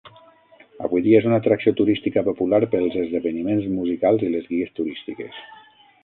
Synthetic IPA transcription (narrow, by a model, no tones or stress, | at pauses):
ə̰βujðiaezunat̪ɾaksiot̪uɾist̪ikəpopulaɾpəlˠzəzðəβənimenzmuzikalˠzilezɣiest̪uɾist̪ikḛs